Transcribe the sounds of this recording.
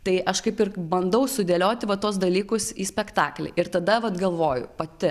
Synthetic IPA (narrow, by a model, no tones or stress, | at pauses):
t̪ɐɪʔɐʃkɐɪpɪrbɐnd̪ɐʊsʊd̪ʲeːlʲoːt̪ʲɪʋɐt̪uɔs̬d̪ɐlʲiːkʊsiːsʲpʲɛkt̪ɑːklʲɛ̰ʔɪɾt̪ɐd̪ɐʋɐt̪ɡɐlˠʋoːjʊ̰pɐt̪ʲɪ